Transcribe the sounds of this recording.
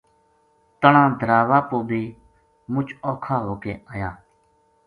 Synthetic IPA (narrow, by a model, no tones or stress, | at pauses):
t̪əɳãːd̪ʱəɾaːʋaːpoːbʱiː | mʊt͡ʃʰoːkʰaːɦoːkeːaːjaː